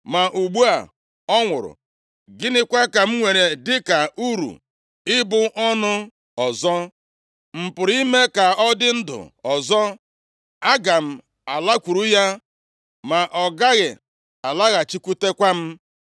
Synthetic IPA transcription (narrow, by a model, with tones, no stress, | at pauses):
ma˨ʔu˨ɡ͡bu˦a˨ | ɔ˦ŋʷʊ˨ɾʊ̰˨ | ɡɪ˦nɪ˦kʷa˦ka˨m̩˦ŋʷe˨ɾe˨dɪ˦ka˨ʔu˦ɾṵ˨ | ɪ˦bʊ˦ʔɔ˦nʊ˦ | ɔ˨zɔ˦ | m̩˨pʊ˨ɾi˦me˦ka˨ɔ˦dɪ˦n̩˦dʊ̰˨ɔ˨zɔ˦ | a˦ɡa˨m̩˦ | a˨la˦kʷu˨ɾu˦ja˦ | ma˨ʔɔ˨ɡa˦ɣɪ̰˨ | a˨la˦ɣa˨t͡ʃi˦kʷu˦te˦kʷa˦m̩˦